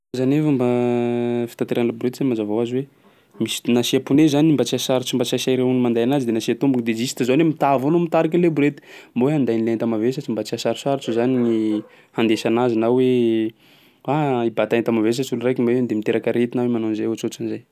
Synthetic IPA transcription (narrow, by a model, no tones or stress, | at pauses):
zanefamba | fi̥t̪ant̪eɾanlabuɾet̪izamazavawazwe | misi̥nasiapunezaniimbat͡siasaɾut͡ʃimbat͡siasajɾeunimand̪ajanazid̪enasiat̪umbuŋid̪ed͡ʒisit̪izanemit̪avanomit̪aɾak̬inlebuɾet̪i̥mboweand̪ajnlent̪amavesat͡ʃimbat͡siasaɾisaɾut͡ʃuzanini | hand̪esanazinawwe | aibat̪ajnt̪amaves̬at͡sulurajkʲimaend̪emit̪eɾakaɾet̪inawemanonzajat͡sot͡sinzaj